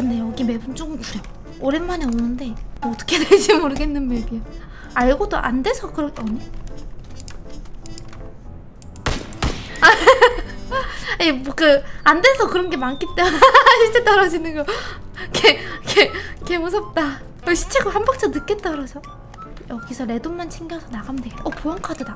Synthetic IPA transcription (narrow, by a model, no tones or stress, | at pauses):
kɯndejʌɡime̞bunt͡ɕ͈oɡɯmkuɾe | oɾenmaneonɯnde̞ʌt͈ʌ̥kʰeded͡ʑimoɾɯɡe̞nːɯnme̞biʌ | aɭɡodoʔa̰nde̞sʰʌkɯɾʌʌɲi | a | aeokɯande̞sʰʌkɯɾʌnɡe̞mank͈it͈emunaɕʰit͡ɕ͈et͈ʌɾad͡ʑinɯnɡʌkekʰekemus̬ʰʌp̚t͈a | ʌɕʰi̥t͡ɕʰeɡohambʌk̚t͡ɕʰʌnɯk͈e̞t̚t͈ʌɾasʰʌ | jʌɡisʰʌɾe̞doŋmant͡ɕʰiŋɡjʌasʰʌnaɡamdeeʔʌpojʌŋkʰadɯda